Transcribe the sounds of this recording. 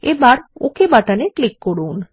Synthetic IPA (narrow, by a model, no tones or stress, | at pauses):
ebaɾo̰kʰebaʈaneklikːoɽun